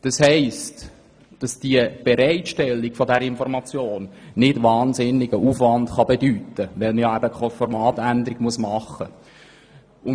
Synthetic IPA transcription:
d̥ɑshɛɪst | d̥ɑsd̥iəb̥ɛɾɛɪtʃtɛlːɪɡ̥fɔdɛɾəɪnfɔɾmɑt͡sjoːnːɪdʋɑːnzɪnːɪɡəʔufʋɑndχɑbedytəʋɛlməjɑæbəkχɔfɔɾmɑːt̪ænd̪əɾɪɡmuəsmɑχə | ʊn

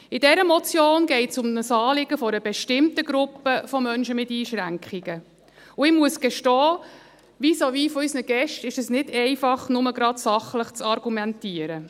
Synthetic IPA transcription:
ɪdɛɾəmɔt͡sjoːnɡɛɪtsʊmnəsɑːlɪɡəfɔɾəbɛʃtɪmtəɡɾʊpːəfɔmœnʃəmɪtiːʃɾæŋkχiɡ̥ə | ʊɪmuəsɡ̥ɛʃtɔː | ʋisoʋifɔysnəɡ̥ɛʃtɪʃɛsnɪdɛɪfɑχnʊməɡɾɑdsɑχləχt͡sɑɾɡ̥umɛntiːəɾə

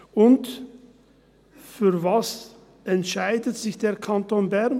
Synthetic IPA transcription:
ʔʊnt | fyːɐvas | ʔɛntʃaɪdətz̥ɪçd̥eːɐkʰantoːnbɛm

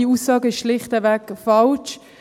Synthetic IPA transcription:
iuːsːɑːɡəɪʃʃlɪχtəvɛkfɑlt͡ʃ

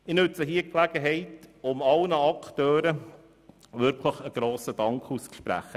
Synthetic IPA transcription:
ɪnɵt͡səɦiːklæɡəɦɛɪtʊmɑlnəɑktœːɾə | ʋʏɾkʰləχəɡ̥ɾoːsədɑŋkχust͡sʃpɾæ̰χə

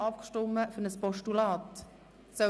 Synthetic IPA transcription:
ɑpkʃtʊmːəfønəspɔʃtulɑːt | sœ

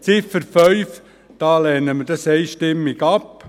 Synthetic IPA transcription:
t͡sɪfəɾfœʏf | d̥ɑːlɛːnəməd̥ɑsɛɪʃtɪmːiɡɑp

